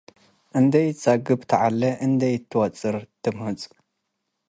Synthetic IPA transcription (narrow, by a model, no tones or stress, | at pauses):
ʔɨnd̪ɐjt͡sʼaɡɨbt̪ʰɐʕalːɐʔɨnd̪ɐjt̪ʰːɨwɐt͡sʼɨɾt̪ʰɨmhɨt͡sʼ